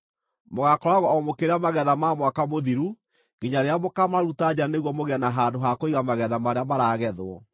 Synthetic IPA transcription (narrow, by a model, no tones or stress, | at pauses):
moɣakɔɾaɣɔɔmokeɾeamaɣɛðamamwakamoðiɾu | ɣeɲaɾeamokamaɾutad͡ʑaneɣwɔmoɣeanaɦaːndoɦakoiɣamaɣɛðamaɾeamaɾaɣɛðwɔ